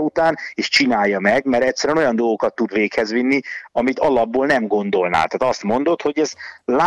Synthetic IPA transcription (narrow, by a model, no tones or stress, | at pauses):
ut̪aːneːʃt͡ʃinaːjːɒmɛɡmɛɾɛcsɛɾyɛnojɒnd̪o̞lɡo̞kɒt̪ːud̪ʋeːkhɛzʋinːiɒmit̪ɒlɒbːoːlnɛmɡo̞nd̪o̞lna̰ːt̪aːt̪ɒst̪mo̞nd̪o̞t̪ho̞ɟɛzla